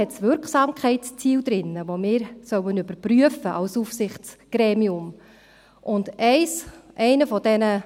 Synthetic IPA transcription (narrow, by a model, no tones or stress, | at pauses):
ɛtsʋʏɾksɑːmkχɛɪtst͡siːld̪ɾɪnːəvomɪːɾsœwənʏbəɾpryəfəʔɑlsufsɪχtt͡sɡ̥ɾɛːmiʊm | ʔʊndɛɪsʔɛɪnəfɔd̥ɛnə